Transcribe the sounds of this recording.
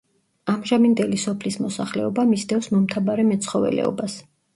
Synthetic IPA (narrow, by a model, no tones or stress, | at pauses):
amʒamind̪ɛlisɔpʰlismɔsaχlɛ̰ɔbamisd̪ɛfsmɔmt̪ʰabaɾɛmɛt̪sʰχɔvɛ̰lɛ̰ɔ̰bas